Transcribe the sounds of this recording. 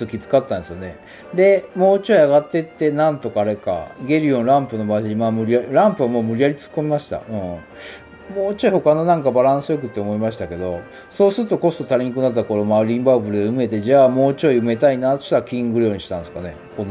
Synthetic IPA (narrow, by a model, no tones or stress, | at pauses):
t̪okʲit͡sɨ̥kat̪ːãnsɨjo̞ne̞ | d̪e̞mo̞ːt͡ɕoiaɡat̪ːe̞t̪ːe̞nãnt̪o̞kaːɾe̞ka̰ɡe̞ɾʲiõ̞ñɾãmpɯ̟no̞baːʑiimamɯ̟ɾʲiaɾãmpɯβamo̞ːmɯ̟ɾʲiaɾʲit͡sɨ̥kːo̞mʲimaɕi̥t̪a̰ɯ̟̃ | moːt͡ɕoiho̞kano̞nãŋkabaɾãɰ̃sɨjo̞kɯ̟t̪ːeomo̞imaɕ̬i̥t̪ake̞d̪o̞ | so̞ːsɨɾɯt̪o̞ko̞st̪o̞t̪aɾʲiɲ̟ikɯ̟nat̪̬ːako̞ɾo̞maɯɾʲĩmbabɯ̟ɾɯd̪eɯ̟me̞t̪e̞d͡ʑaːmo̞ːt͡ɕoiɯ̟me̞t̪ainaːt̪o̞̥ɕt̪aɾakʲĩŋɡɯ̟ɾʲo̞ːɲ̟iɕi̥t̪ãñesɨ̥kane̞̰ | ko̞n